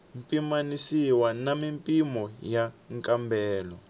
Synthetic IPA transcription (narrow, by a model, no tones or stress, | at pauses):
mpʼimanisiwanamimpʼimɔjaŋkʼambʱɛːlɔ